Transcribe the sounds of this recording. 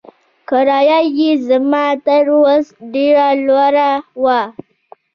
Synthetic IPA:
kəɾajajizamataɾwasdiɾalwaɾawa

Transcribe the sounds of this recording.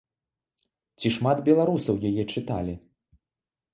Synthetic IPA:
t͡sʲiʂmad̪bʲɛlˠaɾusɐwjajɛt͡ʂɨt̪alʲi

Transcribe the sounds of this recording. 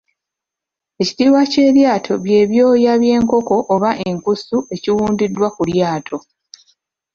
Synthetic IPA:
e̞ci̥tiːwace̞ːɾjaːtʰo̞βje̞ːβjo̞ːjaβje̞ːŋko̞ko̞ʔːβaʔe̞ŋkusuʔe̞ciwuːndidːwakuljaːtʰo̞

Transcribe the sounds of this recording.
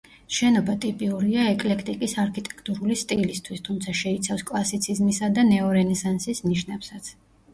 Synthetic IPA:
ʃɛnɔbat̪ʼipʼiuɾiaɛkʼlɛkʰt̪ʼikʼisaɾkʰit̪ʼɛ̥kʰt̪ʼuɾulist̪ʼilist̪ʰwist̪ʰumt̪sʰaʃɛit̪sʰafskʼlˠasit̪sʰizmisad̪anɛɔɾɛnɛsansisniʃnɛpsat̪sʰ

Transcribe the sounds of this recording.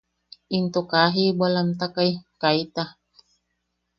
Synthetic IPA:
ʔint̪okaɦibalamt̪akajkait̪a

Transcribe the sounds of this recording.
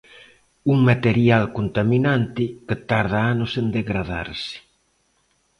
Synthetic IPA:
uŋmat̪eɾjalkont̪aminant̪ɪket̪aɾð̞aanʊsend̪eɣɾaða̰ɾsɪ̥

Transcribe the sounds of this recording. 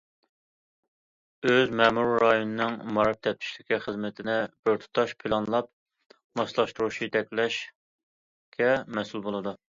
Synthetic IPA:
øzmɛmuɾɾɑjonɨnɨŋmɑɾɑp̚t̪ʰɛp̚t̪ʰi̥ʃlɪkʲiχəzmɪt̪ʰɪnɪb̥ɪɾt̪ʰu̥t̪ʰɑʃpʰɪlˠɑnlˠɑp̚ | mɑslˠɑʃt̪uɾuʃijt̪ɛkʲlɛʃ | kʲɛmɛsulˠbolˠɨd̪u

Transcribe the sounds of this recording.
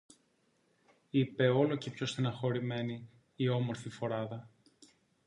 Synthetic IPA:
ipe̞o̞lo̞cepço̞st̪inɐxo̞ɾime̞niː | o̞mo̞ɾfifo̞ɾɐðɐ

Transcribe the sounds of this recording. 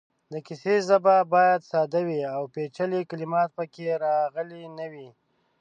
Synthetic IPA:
d̪əkisezababɑjad̪sɑd̪awiawpet͡ʃəlekalimɑt̪̚pəkeɾɑɣəlinəwi

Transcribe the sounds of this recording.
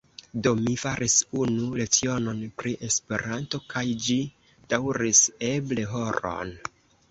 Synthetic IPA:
do̞mifaɾʔisunulet͡sio̞no̞npɾiʔe̞spe̞ɾanto̞kajd͡ʒi | d̥awɾise̞ble̞ɦo̞ɾo̞̰n

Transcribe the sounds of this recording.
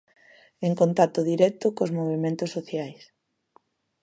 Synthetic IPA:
eŋkont̪at̪oðiɾɛk̚t̪ʊkozmoβ̞emẽnt̪osːoθjajs

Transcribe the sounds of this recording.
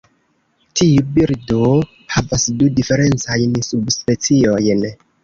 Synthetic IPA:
tʰiubiɾdo | havasdudife̞ɾe̞nt͡sajnsubspe̞t͡sio̞jn

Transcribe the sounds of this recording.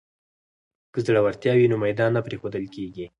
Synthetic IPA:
kəzɽawaɾt̪jɑwinomajd̪ɑnːapɾexod̪əlkeɡi

